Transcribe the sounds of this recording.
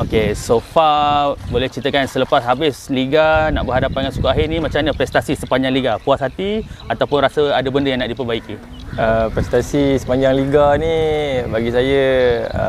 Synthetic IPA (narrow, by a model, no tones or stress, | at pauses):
okesofabolɛht͡ʃit̪əkansələpasɦabɪsliɡana̰ʔbəɦadapːaŋansukaɦɪnimat͡ʃamɲapɾɛst̪asisəpaɲd͡ʒaŋliɡapuasɦat̪iat̪awpʊnrasəadabəndəjaŋnaʔdipərbaiki | əpɾɛst̪asisə̥paɲd͡ʒaŋliɡanibaɡisajəə̰